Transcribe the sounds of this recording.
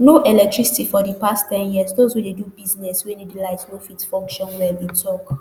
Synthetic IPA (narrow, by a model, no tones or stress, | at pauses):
noʔɛlɛk̚tɹisi̥tifɔdipasttɛ̃njiəzdozhudedubiznɛswɛ̃ndedilaɪtnofitfɔ̃ŋkʃɔ̃nwɛdetʰɔk